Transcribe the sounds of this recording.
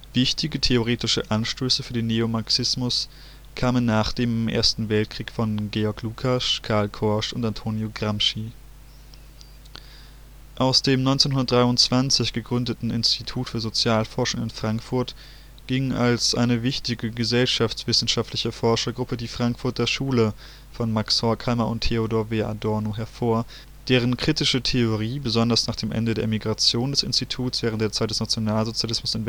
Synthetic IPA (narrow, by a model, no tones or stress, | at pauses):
v̥ɪçtɪɡətʰeoʁ̞eːtɪʃəʔanʃtøːsəfyːɐdeːnːeomaɐksɪsmʊs | kʰaːmənːaːχd̥eːmʔḛːɐstn̩vɛlt̚kʁ̥iːkfɔnɡeːɔɐkluːkʰaʃkʰaɐlkʰɔɐʃʊntantʰoːnjoɡʁamʃi | ʔaʊsd̥eːmnɔʏnt͡seːnhɦʊndɐtdʁaɪʊntt͡sv̥ant͡sɪçɡ̥əɡʁʏndətn̩ɪnstʰitʰuːtfyːɐzot͡sjaːlfɔɐʃʊŋɪnfʁ̥aŋkfʊɐt | ɡ̥ɪŋalsʔa̰ɪnəvɪçtɪɡəɡəzɛlʃaft͡sv̥ɪsn̩ʃaftʰlɪçəfɔɐʃɐɡʁʊpədiːfʁ̥aŋkfʊɐt̚d̥eːɐʃuːlə | fɔnmakshɔɐkʰalmɐʔʊntʰːeodoːɐveʔa̰dɔɐnoɦɛɐfoːɐ | d̥eːʁ̞ənkʁ̥itɪʃətʰeoʁ̞iːbəzɔndɐsnaːχd̥eːmʔɛ̰ndədeːɐemiɡʁat͡sjoːndɛsɪ̰nstitʰuːtsv̥ɛːʁəntd̥eːɐt͡saɪt̚d̥ɛsnat͡sjonaːlzot͡sjalɪsmʊsɪnv